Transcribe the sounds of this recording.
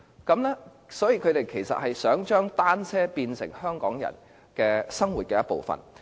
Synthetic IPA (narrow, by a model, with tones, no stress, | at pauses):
kɐ˨˥mlɛː˥ | sɔː˨˥jiː˧kʰɵ˨˧ɥt̪e˨jkʰe˨˩jsɐ̰˨t̚hɐ˨jsœː˨˥ŋt͡ʃœː˥ŋt̪aː˥nt͡sʰɛː˥piː˧nsɪ̰˨˩ŋhœː˥ŋkɔː˨˥ŋjɐ̰˨˩n | kɛː˧sɐ˥ŋwuː˨˩t̚kɛː˧jɐ˥t̚po̰˨wfɐ̰˨˩n